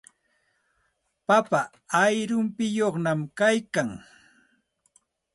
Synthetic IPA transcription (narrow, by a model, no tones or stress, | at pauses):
papa | ajɾʊmpɪjoχnamkajkaŋ